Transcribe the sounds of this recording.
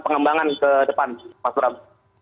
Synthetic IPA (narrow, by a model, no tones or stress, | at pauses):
pəŋəmbaŋankədəpanmasɾam